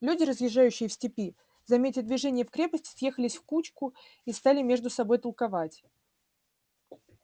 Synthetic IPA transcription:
lʲudʲɪɾəzjɪʐːajʉɕːɪjəfsʲtʲɪpʲi | zɐmʲetʲɪd̪vʲɪʐɛnʲɪjəfkɾʲe̞pəsʲtʲɪ̥sje̞xəlʲɪsʲfkut͡ɕkʊ | ist̪alʲɪmʲe̞ʐd̪ʊsɐbo̞jt̪əlˠkɐvatʲ

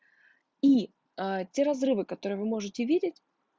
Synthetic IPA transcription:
i | ətʲe̞ɾɐzrɨvɨkɐt̪o̞ɾɨjəvɨmo̞ʐɨtʲɪvʲidʲɪtʲ

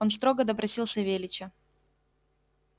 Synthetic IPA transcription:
ons̬t̪ɾo̞ɡəd̪əpɾɐsʲilˠsʲəvʲelʲɪt͡ɕɪ

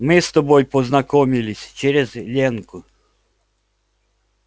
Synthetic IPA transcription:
mɪst̪ɔbɔjpɔznɐkɔmʲilʲɪsʲt͡ʃeɾʲɛzlʲɛnkʊ

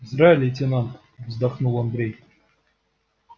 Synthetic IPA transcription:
izɾailʲetʲenɑnt̪ | vzd̪ɑχnulˠand̪ɾʲej

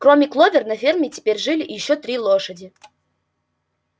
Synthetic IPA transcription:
kɾomʲɪklˠovʲɪrnɐfʲermʲɪtʲɪ̥pʲeɾʲʐɨlʲɪjɪɕːot̪ɾʲilˠoʂədʲɪ

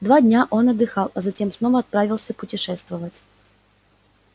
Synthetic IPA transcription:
d̪vadʲnʲaʔo̞nɐd̪ːɨxɑlˠɐzɐtʲe̞msno̞vəɐt̪̚pɾavʲɪlˠsʲəpʊtʲɪʂɛst̪vəvətʲ

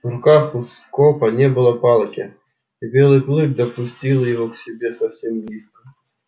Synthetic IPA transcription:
vɾʊkaxuskɔpɐnʲɛbɨlˠɐpalˠkʲɛ | ibʲɛlˠɨplˠɨk̚d̪ɐpusʲt͡sʲilˠjɐɣɔwsʲɛbʲɛsawsʲɛmlʲiskɐ

